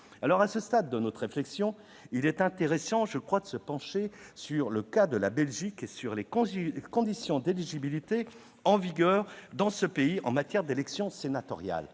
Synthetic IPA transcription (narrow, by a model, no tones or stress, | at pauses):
alɔʁasəst̪ad̪ːənɔt̪χeflɛksjɔ̃ | ilɛt̪ɛ̃t̪eʁesɑ̃ʒəkχwad̪əsəpɑ̃ʃesyʁləkad̪əlabɛlʒikesyʁlekɔ̃d̪isjɔ̃d̪eliʒibilit̪e | ɑ̃viɡœːʁd̪ɑ̃səpeiɑ̰̃mat̪jɛʁd̪elɛksjɔ̃senat̪ɔ̰ʁja̰l